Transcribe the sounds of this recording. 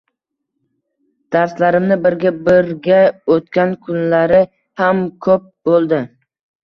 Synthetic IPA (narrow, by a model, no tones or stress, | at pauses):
d̪̥aɾslaɾɪmnɪbɪɾɡʲabɪɾɡʲaot̪kʲankʰʊnlaɾɪ | hamkʰɵp̚bolˠd̪ɪ